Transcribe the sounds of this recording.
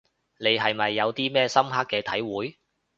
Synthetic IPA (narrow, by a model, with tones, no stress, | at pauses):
ne˨˧jɦɐ˨jmɐ˨jːɐ˨˧wt̪iː˥mɛː˥˧sɐ˥mɦa˥kːɛː˧t̪ʰɐ˨˥jwuː˨˥j